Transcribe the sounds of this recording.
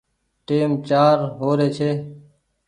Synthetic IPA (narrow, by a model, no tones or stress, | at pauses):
ʈeːmt͡ʃaːɾɦoːɾeːt͡ʃʰeː